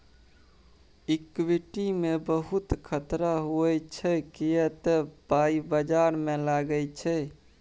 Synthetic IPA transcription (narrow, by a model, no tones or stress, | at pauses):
ikwiʈimebəɦut̪kʰət̪ɾaɦuɛt͡ʃʰɛkijət̪epaibəd͡ʒaɾmelaɡəjt͡ʃʰɛ